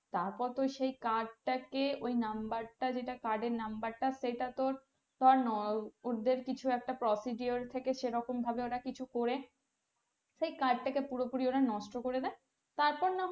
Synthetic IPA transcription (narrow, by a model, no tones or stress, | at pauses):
t̪aɾpɔɾt̪oʃejkaɖ̚ʈakeojnambaɾʈad͡ʑeʈakaɾɖeɾnambaɾʈaʃeʈat̪oɾ | t̪ɔaɾnɔoɾd̪eɾkit͡ɕʰuɛk̚ʈapɾɔsiɖioɾt̪ʰekeʃeɾɔkombʱabeoʈakit͡ɕʰukoɾe | ʃejkaɖ̚ʈakepuɾopuɾioʈanɔʃʈokoɾed̪ɛe | t̪aɾpɔɾna